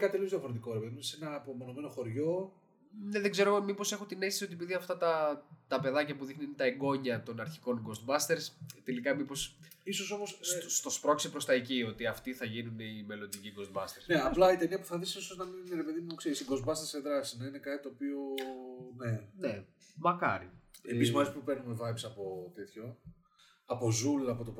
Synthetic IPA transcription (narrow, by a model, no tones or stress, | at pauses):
kɐt̪it̪eliozðiɐfoɾe̞t̪iko̞ɾepeðimsenɐːpomo̞no̞me̞no̞xoɾʝo̞ | ne̞ðeɡze̞ɾo̞mipo̞se̞xot̪inest̪isio̞t̪iepiðiɐft̪ɐt̪ɐt̪ɐpe̞ðɐcɐpuðixnint̪ɐeɡo̞ɲɐt̪o̞nɐɾçiko̞nɡo̞st̪̚bɐst̪e̞ɾst̪e̞likɐmipo̞s | iso̞so̞mosst̪o̞spɾo̞ksepɾo̞st̪ɐecio̞t̪iɐft̪iθɐʝinuneime̞lo̞nd̪iciɡo̞zt̪bɐst̪eɾsneɐplɐit̪eniɐpuθɐðisisoznɐminineɾepe̞ðimumoksiesiɡo̞zbɐst̪eseðɾɐsi̥znɐine̞kɐt̪it̪oːpio̞ne̞ne̞ | mɐkɐ̰ɾieizmɐzipupeɾnumevɐjpsɐpo̞t̪e̞t̪ço̞ | ɐpo̞zulɐpot̪op